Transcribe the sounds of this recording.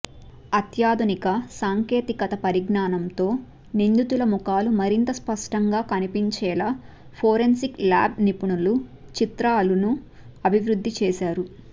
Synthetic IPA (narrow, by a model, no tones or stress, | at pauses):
ɐt̪jaːd̪unikɐsaːŋke̞ːt̪ikɐt̪ɐpɐɾiɡnaːnɐmt̪o̞ː | nind̪ut̪ulɐmukaːlumɐɾint̪ɐspɐʂʈɐŋɡaːkɐnipiɲt͡ʃɛːlaː | pʰoːɾensikla̰ːb̚nipuɳulu | t͡ʃit̪ɾaːlunu | ɐbʱiʋɾud̪ʱːit͡ʃɛːsaːɾu